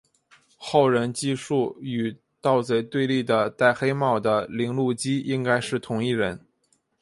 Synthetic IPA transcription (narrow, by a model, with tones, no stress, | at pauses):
xo˥˩ʊɻə˧˥nt͡ɕi˥˧ʂu˥˩y˨˩ | t̪ɑ˥˧ʊt͡swe˧˥˩ɪt̪we˥˧ɪli˥˩d̪ə˩t̪a˥˩ɪxe˥ɪmɑ˥˩ʊd̪ə˩li˧˥ŋlu˥˩t͡ɕi˥i˥ŋka˥ɪʂɻ̩˥˩t̪ʰʊ˧˥ŋi˥˩ɻə̰˧˥n